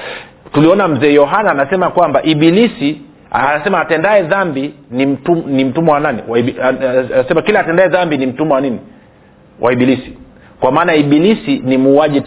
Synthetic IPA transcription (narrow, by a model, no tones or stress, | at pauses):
tuliɔnam̩zɛːjɔɦanaːnasɛmakwambaʔiɓilisi | aanasɛmaːtɛndaɛðambinim̩tunim̩tumɛwananiwa | sɛmakilaːtɛndaɛðambinim̩tumɛwanini | wʔa̰iɓilisi̥ | kwamaːnaiɓilisinimuːaʄi